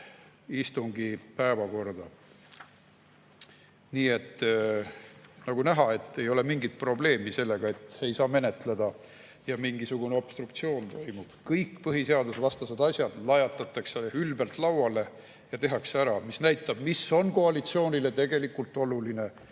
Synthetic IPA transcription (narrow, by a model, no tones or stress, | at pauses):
ist̪uŋɡipæevɑko̞rd̪̥ɑ | niːe̞t̪ːˑ | nɑɡ̥unæɦɑe̞t̪ːˑe̞jo̞le̞miŋɡit̪̚pro̞ble̞ːmise̞lːe̞ɡ̥ɑe̞t̪ːe̞jsɑːme̞net̪led̪̥ɑ | jɑmiŋɡ̥isuɡ̥uneo̞b̥st̪rukt̪sio̞ːnt̪o̞jmub̥kɤjkːpɤɦiseɑd̪usvɑst̪ɑsed̪ɑsʲjɑd̪̥lɑjɑt̪ːˑɑt̪ːˑɑkseylbelt̪ˑlɑwɑle̞ | jɑt̪e̞ɦɑkseæɾɑmisnæjt̪ːˑɑb̥miso̞nko̞ɑlit̪sio̞ːnʲile̞t̪e̞ɡe̞likult̪ːˑo̞luline̞